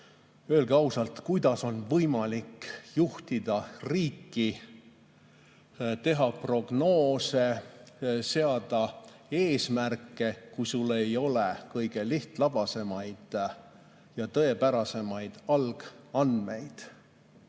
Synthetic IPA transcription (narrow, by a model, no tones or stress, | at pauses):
ø̞elɡeɑwsɑlt̪kujd̪̥ɑso̞nvɤjmɑlikːjuht̪id̪̥ɑriːkːˑi | t̪e̞ɦɑpro̞ɡ̥no̞ːse̞ | se̞ɑd̪̥ɑ | e̞ːsmærkːˑe̞kujsulːe̞jo̞lekɤjɡ̥e̞liht̪lɑb̥ɑse̞mɑjd̪̥ | jɑt̪ɤe̞pæɾɑse̞mɑjd̪̥ɑlɡ̥ɑnd̪me̞jd̪̥